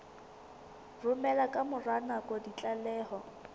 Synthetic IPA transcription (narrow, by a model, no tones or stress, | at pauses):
rʊmɛlakʼamʊranakʼɔdit͡ɬʼalɛːhɔ